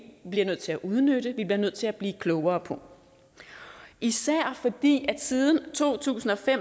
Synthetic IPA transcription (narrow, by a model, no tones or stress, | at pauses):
b̥liɐnøð̰ˠt͡sʰe̝læʔuð̞ˠnøɾ̥əʋib̥liɐnøð̰ˠt͡sʰe̝æb̥liːkʰlɔʊɐːpʰɔ̽ | ʔisæɐ̰fɒ̽d̥ḭːæ̥siːð̞ˠn̩t͡sʰo̝̰ːt͡sʰṵːsn̩ɒ̽fem